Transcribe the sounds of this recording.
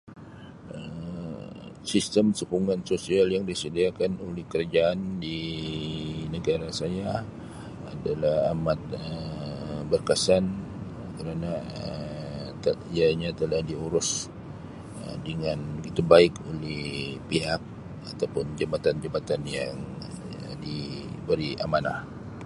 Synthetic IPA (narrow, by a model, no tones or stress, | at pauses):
əm | sist̪əmsəkuŋansosialjaŋdisədiakanolɛhkəɾd͡ʒaːndi | nəɡaɾasaja | adalahamat̪̚əbərkasan | kəɾanaə | əiaɲat̪əlahdiuɾʊs | ə̰dəŋanbəɡit̪ubaɪkolɛhpiɦak̚ | at̪awpʊnd͡ʒəbat̪and͡ʒəbat̪anjaŋ | dibəɾia̰manah